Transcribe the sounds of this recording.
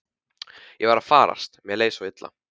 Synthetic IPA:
jɛvaːɾafaːɾa̰st̪mjɛleːjsawɪt̪la̰

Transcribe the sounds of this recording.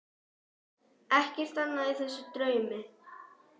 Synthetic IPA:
ɛhcɪr̥t̪anːaɪiθɛsːʏt̪ɾœːɥmɪ

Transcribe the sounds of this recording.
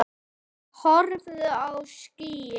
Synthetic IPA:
hɔɾvðʏawsciːjɪ

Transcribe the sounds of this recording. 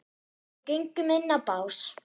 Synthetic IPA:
cejŋkʏmɪnːapaːws

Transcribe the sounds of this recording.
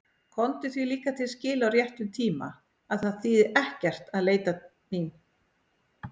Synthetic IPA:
kʰɔnt̪ʏθviliːkat̪ʰɪlscɪːlawrjɛht̪ʏmt̪ʰiːma̰ | aðθaðθiːðɪɛhcɛr̥t̪aðleːjt̪a | min

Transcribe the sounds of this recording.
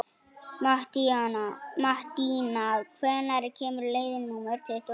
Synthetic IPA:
t̪ | maht̪inalkʰɛːnaɾɪcʰɛːmʏɾleːjðɪnːuːmɛɾ̥t̪ʰɪɛht̪

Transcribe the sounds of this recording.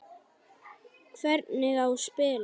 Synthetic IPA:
kʰvɛɾt̪nɪɣawspɪːl

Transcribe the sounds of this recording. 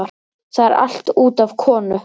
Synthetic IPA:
aɾ̥ | θaðɛɾa̰l̥t̪uːt̪av̥kʰɔːnʏ

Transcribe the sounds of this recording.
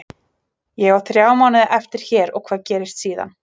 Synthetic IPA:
jɛɣawθɾjaːwmaːwnɪðɪʔɛft̪ɪɾ̥çɛːɾɔ̰ɣkʰvaːðcɛːɾɪst̪siːða̰n

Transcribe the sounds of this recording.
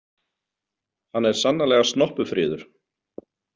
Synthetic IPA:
hanːɛɾ̥sanːalɛːɣast̪nɔhpʏfɾɪːðʏɾ̥

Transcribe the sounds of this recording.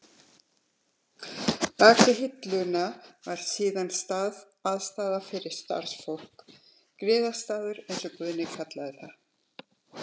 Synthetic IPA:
t̪aːklɪɦɪt̪lʏnavaɾ̥siːðanst̪aːð | aðst̪aːðafɪɾɪɾ̥st̪a̰ɾ̥sfowh̪k | kɾɪːðast̪aːðʏɾejnsɔkvʏːðnɪkʰat̪laðɪθa

